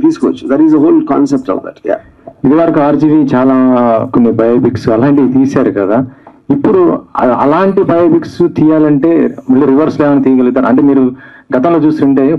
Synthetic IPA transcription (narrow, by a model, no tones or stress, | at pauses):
iːsu̥kɔʋɐ̰t͡ʃːu̥d̪ɛɾʈizəɦoːlkã̰ːnsep̚ʈɔ̰fd̪ɛ̰ʈja̰ː | id̪iʋɐɾɐkuaːɾd͡ʒiʋit͡ʃaːlaːkonːipɐjoːbiksuɐlaːɳʈiit̪iːsaːɾukɐd̪aː | ipːuɽṵɐ̰laːɳʈibɐjoːbiksut̪iːjaːlɐɳʈe̞ːmɐɭːoːɾiʋɐɾsleːʋɐnit̪iːjɐɡɐlid̪aːɾɐ̰ɳʈe̞ːmiːɾuɡɐt̪ɐ̃m̃lo̞ːt͡ʃuːsuɳʈe̞ː